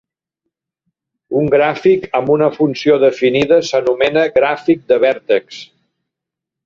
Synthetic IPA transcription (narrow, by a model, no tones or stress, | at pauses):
uŋɡɾafikəmbunəfunsioðəfiniðəsənumɛnəɣɾafik̚d̪əβɛɾt̪eks